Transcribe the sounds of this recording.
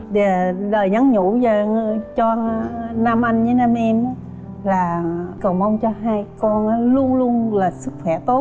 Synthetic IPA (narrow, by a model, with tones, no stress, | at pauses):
ɗe˨˩ləː˨˩jɲə˨˦ŋɲu˧˥zə˨˩˧t͡ɕɔ˧na˧mʔa˧jŋɲɨ˨˦na˧mʔɛ˧maː˨˦ | laː˨˩kə˨˩wŋ͡mmʔə˧wŋ͡mt͡ɕɔ˧ɦaː˧jkɔ˧nʔaː˨˦lu˧ənlu˧ənlaː˨˩sɨ˦˥k̚xwɛ˧˩t̪o˦˥t̚